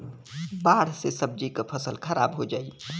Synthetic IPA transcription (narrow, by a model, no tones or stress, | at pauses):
baːɽ̤sesəb̚d͡ʒikapʰəsəlkʰəɾa̰ːbɦod͡ʒaːiː